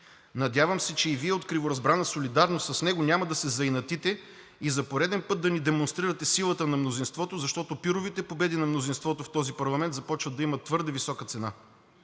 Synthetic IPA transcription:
nɐd̪javəmsɛt͡ʃɛiviɛot̪kɾivoɾɐzbɾanəsolid̪aɾnost̪sɐsnɛɡonʲamɐd̪ɐsɛzɐjnɐt̪it̪ɛ | izɐpoɾɛd̪ɛnpɤt̪̚d̪ɐnid̪ɛmonst̪ɾiɾət̪ɛsilˠət̪ənɐmnozinst̪vɔt̪ozɐʃt̪ɔt̪opiɾovit̪ɛpobɛd̪inɐmnozinst̪vɔt̪oft̪ɔzipɐɾlˠɐmɛnt̪zɐpɔt͡ʃvəd̪d̪ɐimɐt̪ːvɤɾd̪ɛvisɔkət̪sɛna

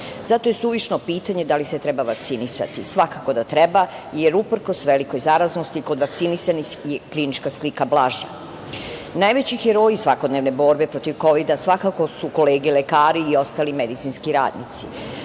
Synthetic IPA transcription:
zat̪o̞je̞suʋiʃnopiːt̪aɲe̞d̪aliset̪ɾe̞baʋak̚t̪sinisa̰t̪isʋakako̞d̪at̪ɾe̞bajeɾupr̩ko̞sʋeliko̞jzaɾazno̞st̪iko̞d̪ʋak̚t̪sinisanixjeklinit͡ʃkaslikablˠaʒa̰ | najʋe̞t͡ɕixeɾo̞ːjisʋako̞d̪ne̞ʋne̞bo̞ɾbe̞pɾo̞t̪iʋko̞ʋid̪asʋakako̞suko̞leːɡilekaːɾiːo̞st̪aːlimed̪it̪sinskiɾa̰ːd̪nḭt̪si

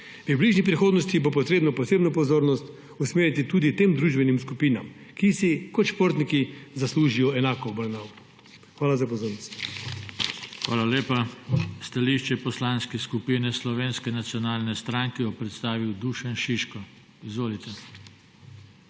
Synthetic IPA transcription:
pibliːʒnip̬ɾixoːd̪nɔst̪ibopɔt̪ɾeːbnɔpɔseːbnɔpɔzoːɾnɔst̪ | usmeːɾit̪it̪uːd̪it̪eːmd̪ɾuːʒbɛnimskupiːna̰m | kisikɔt̪ʃpoɾt̪nikizasluːʒijɔɛnaːkɔːbəɾnaw | xʋaːlazapɔzoːɾnɔst̪ | xʋa̰ːlaleːpast̪aliʃt͡ʃɛpɔslanskɛskupinɛslɔʋeːnskɛnat̪sjɔnaːlnɛst̪ɾaŋkɛjɔpɾɛt̪st̪aːʋiwd̪uːʃɛnʃiʃkɔ | izʋoːlit̪ɛ

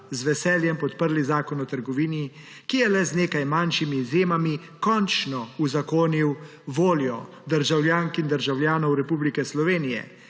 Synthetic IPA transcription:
zʋɛsɛːljɛmpɔt̪pəɾlizaːkɔnɔt̪əɾɡɔʋiːni | kijɛlɛzneːkajmanʃimiːzjeːmami | kɔnt͡ʃnɔuzakoːniw | ʋoːljɔ | d̪əɾʒawlʲjaːŋkind̪əɾʒawlʲjaːnɔwɾɛpublikɛslɔʋeːnijɛ̰

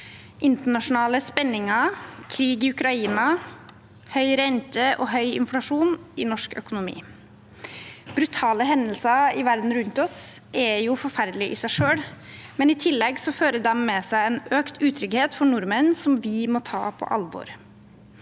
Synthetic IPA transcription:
ʔɪnt̪əɳɑʂʊnɑːləspɛnːɪŋɑkʰɾiːɡɪʉkɾɑiːnɑ | hœʏɾɛnt̪əʔɔ̰ɦœʏɪ̰nflɑʂuːnɪnɔʂkœ̰kʊnʊmḭː | b̥ɾʉt̪ʰɑːləɦɛnəlsɑɪʋæɾd̪n̩ɾʉnt̪ɔsʔɛjʊfɔɾfæɾd̪əlɪʔɪsæɪʂøːɽmɛnɪt̪ʰɪlːɛɡsɔføːɾəd̪ɛmːɛsæɪɛnøːkt̪ʰʉːt̪ʰɾʏɡheːt̪fɔɳʊɾmənsɔmʋɪmɔt̪ʰɑ̰ːpʰɔ̰ʔɑ̰lʋɔ̰ɾ

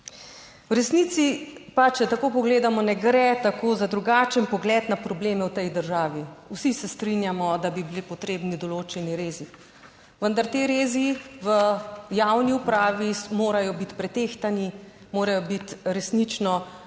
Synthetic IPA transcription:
wɾɛsnit̪sipat͡ʃɛt̪akopɔɡleːd̪amɔnɛɡɾɛt̪akoːzad̪ɾuɡaːt͡ʃənpɔɡlɛːt̪napɾɔbleːmɛwt̪ɛjd̪əɾʒaːʋiwsisɛst̪ɾinjamɔd̪abibilipɔt̪ɾeːbnid̪ɔloːt͡ʃɛniɾeːzi | ʋənd̪aɾt̪eɾeːziʋəjawniupɾaːʋimoːɾajɔbit̪pɾɛt̪eːxt̪ani | moːɾajɔbit̪ɾɛsnit͡ʃnɔ

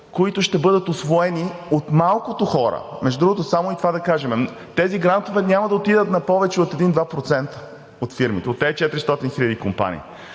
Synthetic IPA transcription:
koit̪ʊʃt̪ɛbɤd̪ət̪osvoɛniot̪malˠkot̪oxɔɾə̰mɛʒd̪ud̪ɾuɡot̪osamoit̪ovad̪ɐkaʒɛmɛ | t̪ɛziɡɾant̪ovɛnʲamɐd̪ɐot̪id̪ət̪nɐpɔvɛt͡ʃɛot̪ɛd̪ind̪vapɾot̪sɛnt̪ə̥ | ot̪fiɾmit̪ɛot̪ːɛt͡ʃɛt̪ɾist̪ɔt̪inxilʲəd̪ikompa̰nḭː

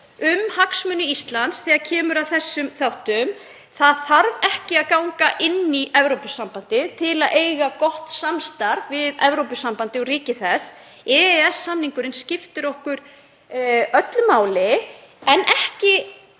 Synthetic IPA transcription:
ʏmhaksmʏnːʏist̪lant̪sθɛːɣaðcʰɛːmʏɾaðθɛsːʏmθawht̪ʏm | θaðθaɾvɛhcɪaðkaːwŋkaʔɪnːiʔɛvɾowpʏsampant̪ɪt̪ʰɪlaðʔeːjɣakɔht̪samst̪aɾvɪðɛvɾowpʏsːampant̪ɪɔɾiːcɪθɛs | ɛɛɛsːamniŋkʏɾɪnscɪft̪ɪɾɔhkʏɾ | œt̪lʏmaːwlɪɛnʔɛhcɪ

